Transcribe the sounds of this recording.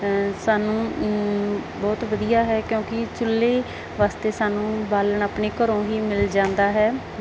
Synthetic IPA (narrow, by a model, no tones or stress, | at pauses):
saːnũː | bɔːt̪ʋəd̪ijaːɦɛːkjõːkɪt͡ʃʊlːeː | ʋaːst̪eːsaːnũːbaːləɳaːpɳeːkəɾõːɦiːmɪld͡ʒãːnd̪aːɦɛː